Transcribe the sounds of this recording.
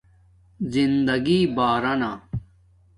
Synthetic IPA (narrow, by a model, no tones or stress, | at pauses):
zind̪ɐɡiːbaːɾɐnaː